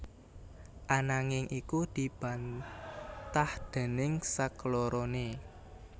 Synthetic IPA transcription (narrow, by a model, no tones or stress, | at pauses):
ʔanaŋɪŋʔikud̪̥i̤b̥ä̤n | t̪ahd̪̥ɛ̤nɪŋsakloɾone